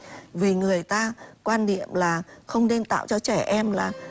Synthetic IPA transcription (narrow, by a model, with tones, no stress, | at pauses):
vi˨˩ŋɨ˨˩əjt̪aː˧kwaː˧nɗḭ˧˨əmlaː˨˩xə˧wŋ͡mɗe˧mt̪a̰ː˧˨wt͡ɕɔ˧t͡ɕɛ˧˩ʔɛ˧mlaː˨˩